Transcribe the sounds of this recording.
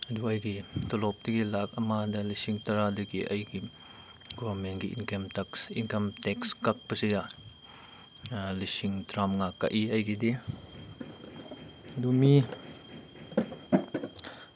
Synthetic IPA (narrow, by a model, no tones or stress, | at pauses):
duɐjɡitɔlɔp̚diɡilak̚ɐmadɐlisiŋtɐɾadɐɡiʔɐjɡi | ɡɔbɐɾmenɡiʔḭnkemtɐksinkɐmtɛkskɐk̚pɐsiɡa | lisiŋtɾamŋakːa̰ʔiɐjɡide | dumi